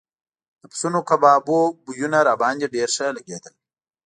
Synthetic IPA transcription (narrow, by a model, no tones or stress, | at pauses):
d̪̥əpsunokabɑːbobujunaɾaːbɑːnd̪iɖeːɾʂəlaɡed̪əl